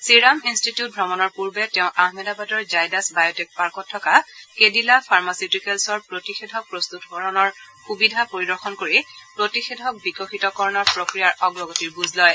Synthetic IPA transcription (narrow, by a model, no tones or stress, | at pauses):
siɹaminstitiut̚bʱɔmɔnɔɹpuɹbɛtɛʊ̃ʔaɦmɛdabatɔɹzajdasbajɔtek̚paɹkɔtʰːɔkakedilapʰaɹmasitikɛlsɔɹpɹotixedʱɔk̚pɹost̪utbʱɔɹɔnɔɹ | xubidʱapoɹidɔɹxɔnkoɹipɹotixedʱɔk̚bikɔxitɔkɔɹɔnɔɹpɹokɹijaɹɔɡɹɔɡɔtiɹbuzlɔj